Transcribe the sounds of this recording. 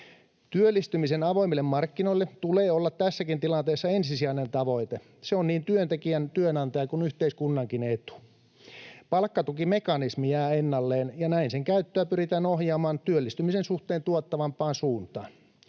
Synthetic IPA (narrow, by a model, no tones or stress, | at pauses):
t̪yølːist̪ymisenɑʋoimilːemmɑrkːinoilːet̪uleːolːɑt̪t̪æsːækint̪ilɑnt̪eːsːɑensisiæinent̪ɑʋoit̪e | seonniːnt̪yønt̪ekiænt̪yønɑnt̪ɑjɑkunyht̪eiskunːɑŋkinet̪u̥ | pɑlkːɑt̪ukimekɑnismijæːenːɑlːeːnjɑnæinseŋkæyt̪ːøæpyrit̪æːnohjɑːmɑːnt̪yølːist̪ymisensuht̪eːnt̪uot̪ːɑʋɑmpːˑɑːnsuːnt̪ɑːn